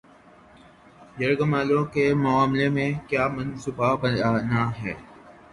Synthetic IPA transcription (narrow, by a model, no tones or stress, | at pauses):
jəɾɡəmaːlõkemʊaːmlemẽkjaːmɐnsuːbabəaːnaɦɛː